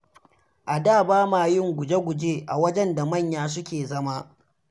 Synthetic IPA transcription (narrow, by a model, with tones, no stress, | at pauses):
ʔa˨daː˦˨baː˦maː˨jɪ˦˨ŋɡʷʊ˨d͡ʒe˦ɡʷʊ˨d͡ʒeː˦ʔa˨wɐ˦d͡ʒɛ˦nda˨mɐ˦˨ɲjaː˦s̬ʊ˦kʲeː˨zɐ˦ma˦